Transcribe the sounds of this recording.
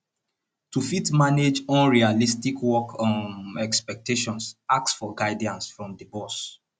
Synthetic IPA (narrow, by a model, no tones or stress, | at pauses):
tufitmaned͡ʒɔ̃nɹialistikwɔkʰɔ̃ɛkspɛk̚teʃɔ̃nsak̚tsfɔɡaɪdiãnsfɹɔ̃mdəbɔs